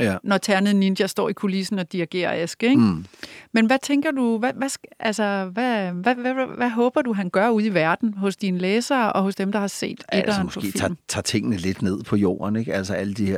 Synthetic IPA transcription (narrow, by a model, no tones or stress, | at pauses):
nɒt͡sʰæɐnəð̩ˠnind̥jæsd̥ɒ̰ːikʰo̝lisn̩ɒ̽d̥iæɡ̥e̝̰ːɐ̰esɡ̥eɡ̥menʋæt͡sʰeŋɡ̥ɐd̥uʋæʋæsʔælsɐʋæʋææʋæɦɔ̽ːb̥ɐd̥uɦænɡ̥ɶɐuð̞ˠiʋæɐd̥n̩ɦɔ̽sd̥inəleːsɐːʔɒ̽ɦɔ̽sd̥emd̥ɑ̈hɑ̈se̝̰ːd̥ed̥ɐnpʰɒ̰ːfḭm̩t͡sʰɑ̰̈ːt͡sʰe̝ŋ̰ənəle̝d̥ne̝ð̞̰ˠpʰɒ̽jo̝̰ːɐneɡ̥ælsɐæləd̥ihe